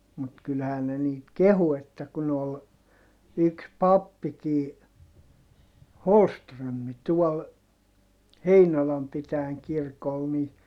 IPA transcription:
mut kylhæːn ne niːt kehu etːæ kun ol yks pɑpːikiː holstrømːi tuɔl heinolɑm pitæːŋ kirkol ni

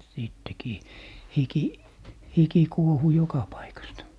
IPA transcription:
siˑtːekiː hiki hiki kuohu jokɑ pɑikɑstɑ

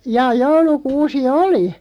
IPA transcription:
jɑː joulukuːsi oli

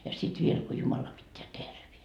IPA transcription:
jɑ sit ʋiel ko jumɑlɑ pitːeæ terʋien

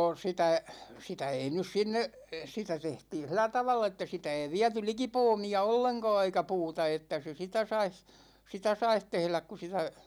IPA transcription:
sitæ sitæ ei nys sinːe sitæ tehtiːn̞ silˑæ tɑʋɑlː etːæ sitæ ei ʋiæty liki poːmiɑ olːeŋkɑ̝ː eikæ puːtɑ etːæ se sitæ sɑis sitæ sɑih tehlæk ku sitæ

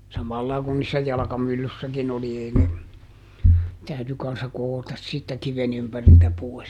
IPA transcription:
sɑmɑlːɑi kun niːsːæ jɑlɑ̆kɑmylːysːækin oli ei ne tæyty kɑnsːɑ kootɑs siːtːæ kiʋen ympæriltæ poi̯s

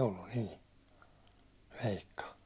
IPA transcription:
olːun niː ʋeikːɑ

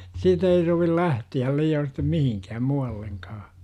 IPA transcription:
siːt ei soʋil læhtiæl liːoːn̞ sitːem mihiŋkæːm muɑlːeŋkɑː

